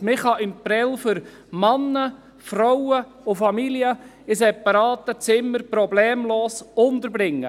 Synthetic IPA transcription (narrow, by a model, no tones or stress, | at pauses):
mɪχɑʔɪnpɾɛlfʏɾ | mɑnːə | frɔwə | ʊfɑmiljə | ɪsɛpɑɾɑːt̪ət͡sɪmːəɾpɾɔblɛːmloːsʊnt̪əɾbɾɪŋːə